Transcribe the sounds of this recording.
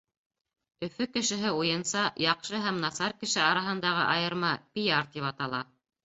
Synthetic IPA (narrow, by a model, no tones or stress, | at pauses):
ɵ̆fɵkɘ̆ʃɘ̆ɦɘujɤ̆nsɑjɑqʃɤɦæmnɑsɑɾkɘ̆ʃɘɑɾɑɦɤ̆nd̪ɑʁɤʔɑjɤ̆ɾmɑpʲijaɾt̪iβɑt̪ɑlˠɑ